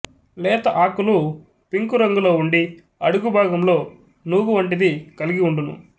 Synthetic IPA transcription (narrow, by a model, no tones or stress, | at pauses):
lɛːt̪ɐʔaːkulu | piŋkuɾɐŋɡulo̞ːuɳɖi | ɐɽuɡubʱaːɡɐmlo̞ː | nuʋuʋɐɳʈ̬id̪ikɐliɡiuɳɖunṵ